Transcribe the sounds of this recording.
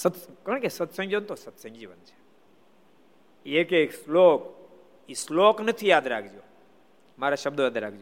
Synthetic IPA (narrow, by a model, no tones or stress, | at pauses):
sət̪skəɳkesət̪sə̃ŋd͡ʒiʋənt̪osət̪sə̃ŋɡd͡ʒiʋə̰nt͡ʃʰe̥ | ekekslok | isloknət̪ʰijaːd̪ɾakʰd͡ʒoː | maːɾaʃəb̚d̪ojaːd̪ɾaːk̚ʰd͡ʒjo